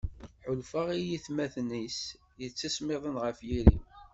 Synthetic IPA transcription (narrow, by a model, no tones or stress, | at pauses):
ħʊlfaʁijiθmæθnis | jət͡sːæsmɪðˤənʁəfjiɾḭ